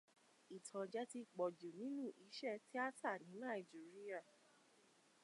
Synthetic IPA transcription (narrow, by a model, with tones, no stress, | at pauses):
i˨tʰã˨d͡ʒɛ˦ti˧k͡pɔ˨d͡ʒu˨nĩ˨˦nũ˦˨ʔi˨˦ʃɛ˦˨ti˦a˦tʰa˦˨nĩ˨˦nã˦˨i˨d͡ʒi˨˦ɾi˦a˦˨